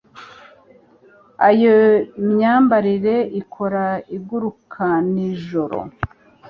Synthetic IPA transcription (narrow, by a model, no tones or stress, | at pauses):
ajoimɲaːmbaɾiɾe̞ikʰo̞ɾaiɡuɾukʰaniʒo̞ɾo̰